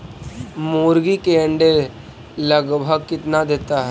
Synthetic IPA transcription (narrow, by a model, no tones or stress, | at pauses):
muːɾɡikeə̃ɳɖe | ləɡbʱəɡkɪt̪nad̪eːt̪aɦɛː